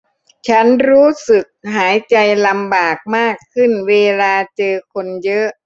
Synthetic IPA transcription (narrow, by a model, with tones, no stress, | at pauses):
t͡ɕʰa˦˥nɾuː˦˥sɯ˨˩k̚ɦaː˩˦jt͡ɕa˧jla˧mbaː˨˩k̚maː˥˩kʰːɯ˥˩nweː˧laː˧t͡ɕɤː˧kʰo˧njɤ˦˥ʔ